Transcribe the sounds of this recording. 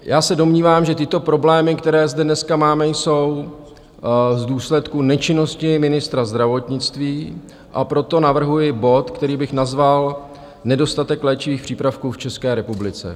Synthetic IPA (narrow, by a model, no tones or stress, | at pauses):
jʔaːsɛdo̞mɲiːvaːmʒɛt̪ɪt̪opɾo̞blɛːmɪkt̪ɛɾɛːzdɛdnɛskamaːmɛjso̞w | zduːslɛt̪kunɛt͡ʃɪno̞scɪmɪnɪst̪ɾazd̪ɾavo̞t̪ɲɪt͡st̪viː | ʔapɾo̞t̪o̞navr̩ɦujɪbo̞t̪kt̪ɛɾiːbɪxnazval | nɛdo̞st̪at̪ɛklɛːt͡ʃɪviːxpr̝̥iːpɾafkuːft͡ʃɛskɛːɾɛpublɪt͡sɛ̰